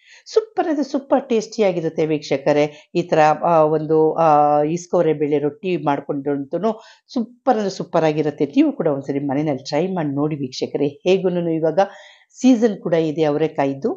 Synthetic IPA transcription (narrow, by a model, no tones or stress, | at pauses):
supːɐɾnɐd̪ɐsupːɐɾʈe̞ːsʈijaːɡiɾut̪ːeʋiːkʂɐkɐɾe̞iːt̪ʰɐɾɐond̪u | iskoʋɾebeɭːeɾoʈːimaːɽko̞ɳɖiɾont̪unːu | supːɐɾɐd̪ɐsupːɐɾaːɡiɾut̪ːe̞niːʋukuːɽɐond̪sɐɾimɐnenɐlːiʈɾɐjmaːɽino̞ːɽiʋiːkʂɐkɐɾeheːɡununuiʋaːɡɐ | siːd͡ʒɐnkuːɽɐid̪eɐʋɐɾekaːjid̪u